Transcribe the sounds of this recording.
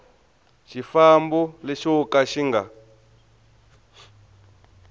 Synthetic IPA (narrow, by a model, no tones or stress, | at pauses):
ʃifambuleʃokaʃiŋɡa